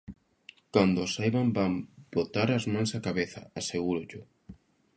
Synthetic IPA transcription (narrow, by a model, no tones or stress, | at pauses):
kand̪ʊsajβambambot̪aɾazmãŋsakaβeθɐ̰aseɣ̞uɾʊʎʊ